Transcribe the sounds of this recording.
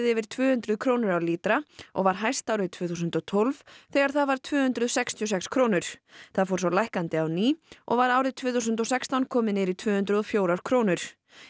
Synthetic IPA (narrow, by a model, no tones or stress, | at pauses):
ðɛvɪɾ̥t̪ʰvʏːhʏnt̪ɾʏðkʰɾownʏɾawliːt̪ɾaʔɔ̰ɣvaɾɦajst̪awɾɪðt̪ʰvɪːθusʏnt̪ɔt̪ʰolvθɛːɣaɾ̥θaðvaɾ̥t̪ʰvʏːhʏnt̪ɾʏðsɛkst̪ʰiɔsɛkskʰɾoːwnʏɾ̥θaðfɔːɾ̥s̬ɔlajhkant̪ɪawniːʔɔ̰ɣvaɾaːwɾɪðt̪ʰvʏːθus̬ʏnt̪ɔsɛkst̪awnkʰɔːmɪnɪːɾit̪ʰvʏːhʏnt̪ɾʏðɔfjoːwɾawɾ̥kʰɾoːwnʏɾ̥